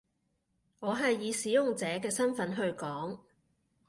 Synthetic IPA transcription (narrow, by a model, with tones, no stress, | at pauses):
ŋɔː˨˧ɦɐ˨jːiː˨˧siː˨˥jʊ˨ŋt͡sɛː˨˥kɛː˧sɐ˥nfɐ˨˥nɦɵ˧ɥkɔː˨˥ŋ